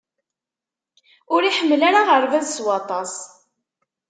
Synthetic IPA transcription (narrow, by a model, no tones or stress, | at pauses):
ʊɾiħəmːlaɾaʁəɾvæðswɑt̪ˤɑs